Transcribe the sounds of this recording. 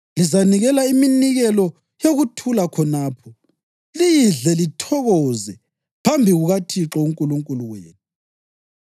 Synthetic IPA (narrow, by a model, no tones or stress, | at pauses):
lizaniɣɛlaiminiɣɛlɔ | joɣutʰulakʰɔnaːpʰɔ | lijiɮɛlitʰɔɣɔːzɛ | pʰambʱiɣuɣatʰiǁɔuŋkʼuluŋkʼuluweːnu